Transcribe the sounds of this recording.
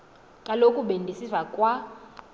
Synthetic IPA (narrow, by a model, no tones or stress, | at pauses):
kʼalokʼuɓendʱisisakʼwa